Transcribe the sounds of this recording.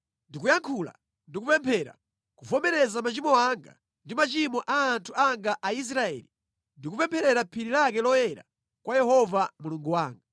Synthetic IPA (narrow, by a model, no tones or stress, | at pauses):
ndikujaŋkʰula̰ | ndikupɛmpʰɛɾa̰ | kuvɔmɛɾɛzamat͡ʃimɔaŋɡa̰ | ndimat͡ʃimɔʔaːntʰuaŋɡaʔais̬ɾaɛ̰li | ndikupɛmpʰɛɾɛɾapʰiɾilakɛlɔjɛɾa̰ | kwajɛhɔvamuluŋɡuwaːŋɡa